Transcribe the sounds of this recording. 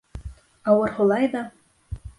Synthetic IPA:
awarχʷʊlajda

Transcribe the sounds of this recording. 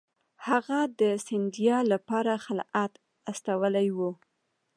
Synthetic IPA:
haɣad̪əsɪnd̪ijɑlapɑɾaxalʔat̪ | ast̪awəlajwu

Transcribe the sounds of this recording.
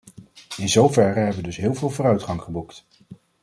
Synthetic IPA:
ɪnzowvɛrəɦɛbəʋədɵsɦɪːlˠvɪːlˠvoːrœɥtχɑŋχəbukt

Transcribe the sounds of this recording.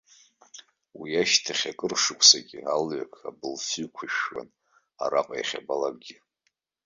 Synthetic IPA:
wijaʃtʰaχʲakʼɨrʂɨkʷʰsaɡʲialɥakʰabɨlfikʷʰiʃwa̰n | a̰ɾaqʼajaχʲabalakʼɡʲi

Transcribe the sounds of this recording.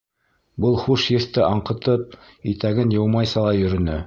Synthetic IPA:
bɤlˠχuʃjɘ̆θt̪ɘʔɑɴqɤ̆t̪ɤp̚ | it̪æɡɘnjɤ̆wmɑjsɑlˠɑjɵ̆ɾɵ̆nɘ

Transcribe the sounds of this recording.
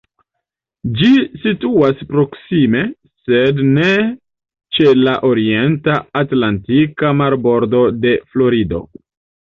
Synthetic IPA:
d͡ʒisituaspɾo̞ksime̞ | sedne | t͡ʃe̞laʔo̞ɾie̞ntaːtlantikamaɾbo̞ɾdo̞de̞flo̞ɾido̞̰

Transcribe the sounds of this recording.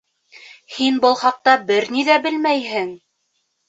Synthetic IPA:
hinbɤ̆lˠχɑq̚t̪ɑbɘɾniðæbɘlmæjɦɘŋ

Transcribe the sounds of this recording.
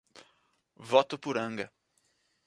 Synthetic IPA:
vɔt̪ʊpʊɾɐ̃ŋɡɐ

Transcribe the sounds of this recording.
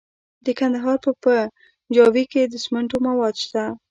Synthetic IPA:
d̪əkand̪aɦɑɾpəpə | d͡ʒɑwiked̪əsməɳʈomawɑd̪ʃt̪a

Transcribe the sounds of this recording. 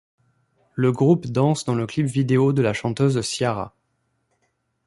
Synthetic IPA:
ləɡʁupd̪ɑ̃sd̪ɑ̃ləklipvid̪eod̪əlaʃɑ̃t̪øzsjaʁa̰

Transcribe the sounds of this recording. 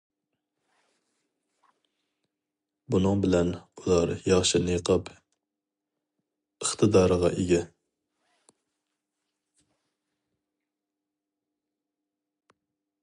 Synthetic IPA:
bunɨŋbɪlɛnulˠɑɾjɑχʃinɨjəqʰɑp | əχt̪ʰɨd̪ɑːɾəʁɑʔeɡʲɛ

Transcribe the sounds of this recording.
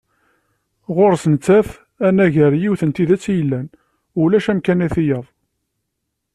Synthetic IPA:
ʁoɾsənət͡sːæθ | ænæʝəɾjiwθənt̪iðæt͡sːjəlːæn | ʊlæʃæmkænæθijɑðˤ

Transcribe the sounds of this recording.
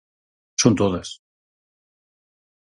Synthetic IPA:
sont̪oðes

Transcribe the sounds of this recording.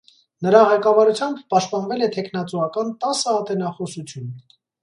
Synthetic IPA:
nəɾɑʁɛkɑvɑɾut͡sʰjɑmbpɑʃt̪̚pɑnvɛlɛt̪ʰɛkʰnɑt͡suɑkɑnt̪ɑsəɑt̪ɛnɑχɔsut͡sʰjun

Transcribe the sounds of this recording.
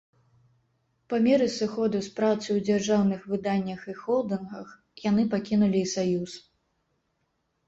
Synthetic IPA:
pamʲɛɾɨsɨxɔd̪uspɾat̪sɨwd͡zʲarʐawnɨxvɨd̪anʲːɐxixɔlˠd̪ɨnɣɐx | jan̪ɨpakʲinulʲiːsajus

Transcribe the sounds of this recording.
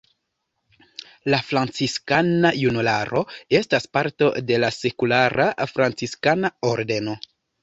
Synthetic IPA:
lafɾant͡siskanajunulaɾʔo̞e̞staspaɾto̞de̞lase̞kulaɾʔafɾant͡siskanaoɾde̞no̞

